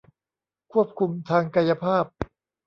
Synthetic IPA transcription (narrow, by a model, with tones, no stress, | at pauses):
kʰu˥˩əp̚kʰu˧mt̪ʰaː˧ŋka˧ja˧pʰaː˥˩p̚